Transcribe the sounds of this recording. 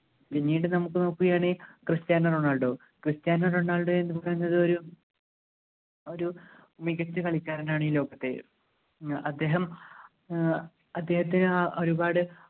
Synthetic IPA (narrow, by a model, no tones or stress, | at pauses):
ʋiɲːiːʈɨnɐmukːɨno̞ːkːuɣɐjaːɳekrɨst̪jaːnːɐroɳːaːɭɖo̞ː | krɨst̪jaːnːɐroɳːaːɭɖoːe̞nːɨpɐrɐjunːɐðɨo̞ɾu | o̞ɾu | miɣɐt͡ɕːɨkɐɭikʲːaːɾɐnaːɳɨiːlo̞ːɡɐt̪ːe̞̰ | ɐd̪ːe̞ːɦɐm | ɐd̪ːe̞ːhɐt̪̬ːinɨaʔoɾubaːɽɨ